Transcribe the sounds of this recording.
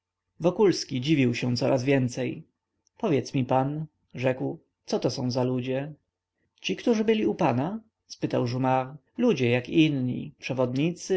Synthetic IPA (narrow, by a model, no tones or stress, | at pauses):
vɔkulskʲid͡ʑivʲiwɕɛ̃t̪sɔɾʔazvʲjɛnt̪sɛj | pɔvʲjɛt̪smʲipan | ʐɛkw | t̪sɔt̪ɔsɔ̃w̃zalud͡ʑɛ | t͡ɕikt̪uʐɘbɘlʲiupana | spɘt̪awʐumaɾ | lud͡ʑɛjakinɲḭpʂɛvɔd̪ɲit̪sɘ